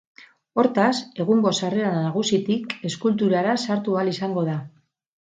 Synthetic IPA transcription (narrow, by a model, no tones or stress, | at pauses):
o̞ɾt̪ase̞ɣuŋɡo̞sareanaɣusit̪ike̞skult̪uɾaɾasaɾt̪ualisaŋɡo̞ða